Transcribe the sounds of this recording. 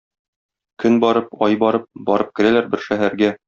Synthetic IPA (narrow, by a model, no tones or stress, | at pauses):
kɵnbɒɾɤpɒjbɒɾɤp̚bɒɾɤp̚kɘ̆ɾælæɾbɘɾʃæɦæɾɡæ